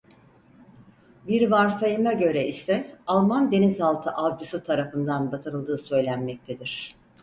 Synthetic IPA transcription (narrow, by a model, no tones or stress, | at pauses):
biɾvaɾsajɯmaɟø̞ɾɛisɛalˠmand̪e̞nizalˠt̪ʰɯʔabd͡ʒɯsɯt̪ʰaɾafɯnd̪anbat̪ʰɯɾɯlˠd̪ɯːsø̞jlʲænmɛc̚t̪ʰed̪iɾ̝̥